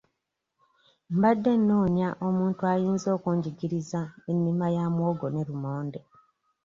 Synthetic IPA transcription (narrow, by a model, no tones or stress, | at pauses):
mbadːe̞nːo̞ːɲaʔo̞muːntuajiːnzo̞ːkuːɲɟiɡiɾizaenːimajamwo̞ːɡo̞ne̞ɾumoːnde